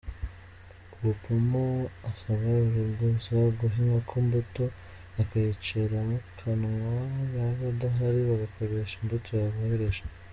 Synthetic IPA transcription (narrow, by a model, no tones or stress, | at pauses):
uβupumoasaβauɾubɡusaɡuɦiŋɡakʰombuto̞ | akajit͡ʃeɾamukʰanŋaβaβadaɦaɾiβaɡako̞ɾeʃimbutʰojaβoheɾe̞ʃḁ